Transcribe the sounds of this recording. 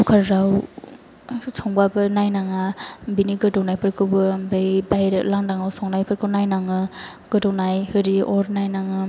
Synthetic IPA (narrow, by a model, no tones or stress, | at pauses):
ukʰaɾɾaw | soŋbabɯnajnaŋabiniɡɯdownajpʰɯɾkʰɯwbɯmbajbaɾlaŋdaŋawsaŋnajpʰɯɾkʰɯwnajnaŋɯ | ɡ̥ɯdɔwnajhɯɾiɔɾnajnaŋɯ